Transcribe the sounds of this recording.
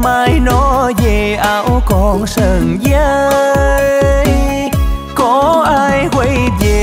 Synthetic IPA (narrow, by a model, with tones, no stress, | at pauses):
maː˨˦jnɔ˨˦ve˨˩ʔaː˨˦wkɔ˨˩nsəː˨˩nzə˧˦ | j | kɔ˨˦ʔaː˧jhwe˧˦jve˨˩